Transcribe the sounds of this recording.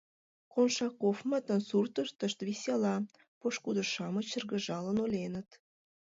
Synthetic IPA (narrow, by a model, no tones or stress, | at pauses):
konʃɑkofmət̪ə̆nsurt̪əʃt̪ə̆ʃt̪βisʲelɑ | poʃkud̪ə̆ʃɑmə̆t͡ɕə̆rɣə̆ʒɑlənolʲenə̆t̪